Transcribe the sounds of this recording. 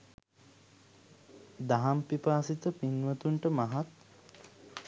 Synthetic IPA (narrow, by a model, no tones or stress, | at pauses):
d̪aɦampipaːsit̪əpinʋət̪uɳʈəmaɦat̪̚